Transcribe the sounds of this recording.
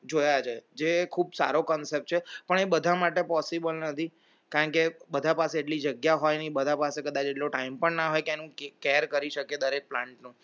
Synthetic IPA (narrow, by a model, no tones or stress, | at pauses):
d͡ʒojad͡ʒaed͡ʒekʰuːbsa̰ɾokɔnsep̚ʈ̚t͡ʃʰepəɳebəd̪ʱamaʈepɔsibəlnət̪ʰi | kaɾəɳkebəd̪ʱapaseːʈlid͡ʒəɡjaɦɔjnibəd̪ʱapasekəd̪at͡ʃeʈloʈaimpəɳnaɦɔjkeɛnũkeɾkəɾiʃəked̪əɾek̚plãɳʈnũ